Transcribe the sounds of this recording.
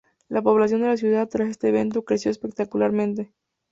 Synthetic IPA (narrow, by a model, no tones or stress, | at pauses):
lapo̞βlas̬jo̞nd̪e̞las̬juðaðt̪ɾase̞st̪e̞ːβ̞e̞nt̪okɾe̞sjo̞espe̞k̚t̪akulaɾmẽ̞nt̪̬e̞